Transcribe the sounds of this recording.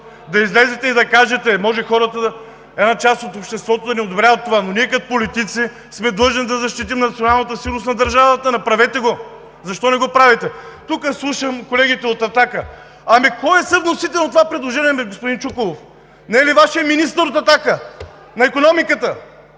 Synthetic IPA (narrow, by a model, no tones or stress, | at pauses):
d̪ɐizlɛzɛt̪ɛid̪ɐkaʒɛt̪ɛmɔʒɛxɔɾət̪ə | ɛd̪nat͡ʃast̪ot̪opʃt̪ɛst̪vɔt̪od̪ɐnɛod̪obɾʲavət̪ːovanoniɛkɐt̪polit̪it̪si | smɛd̪lˠɤʒnid̪ɐzɐʃt̪it̪̬imnɐt̪sionalˠnət̪əsinosnɐd̪ɐɾʒavɐt̪ənɐpɾɐvɛt̪ɛɡo | zɐʃt̪ɔnɛɡopɾavɛt̪ɛt̪ukəslˠuʃəmkolɛɡit̪ɛot̪ɐt̪akə | ɐmikɔjɛsəvnosit̪ɛlˠnt̪ovapɾɛd̪lˠoʒɛniɛmɛɡospʊd̪int͡ʃukolˠof | nɛlivaʃijəminist̪əɾot̪ɐt̪akə | nɐɛkonɔmikət̪ə